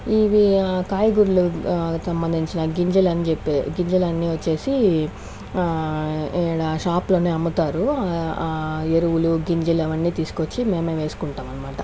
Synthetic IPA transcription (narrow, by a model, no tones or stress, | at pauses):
iʋiakaːjɐɡuɾulusɐmbɐnd̪ʱiɲt͡ʃinɐɡiɲd͡ʒɐlɐnit͡ʃepːeɡiɲd͡ʒɐlɐnːiʋɐt͡ʃːe̞ːsi | ɽaʃaːplo̞ːneːɐmːut̪aːɾu | eɾuwuluɡiɲd͡ʒɐleʋɐnːiːt̪iːsu̥kot͡ʃːime̞ːmeːʋe̞ːsu̥kuɳʈaːmɐnːɐmaːʈɐ